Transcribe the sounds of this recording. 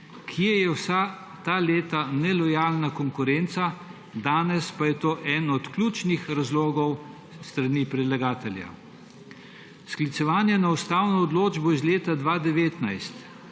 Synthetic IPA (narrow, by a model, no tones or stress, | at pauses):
kʰijɛjɛwsa | t̪aleːt̪anɛlɔjaːlnakɔŋkʊɾent̪sa | d̪aːnɛspajɛt̪oːʔɛnɔt̪klʲuːt͡ʃnixɾazloːɡɔw | st̪ɾaniːpɾɛd̪laɡaːt̪ɛlja̰ | sklit̪sɛʋaːnjɛnaust̪aːwnɔːd̪loːd͡ʒbɔizleːt̪ad̪ʋaːd̪ɛʋeːt̪najst̪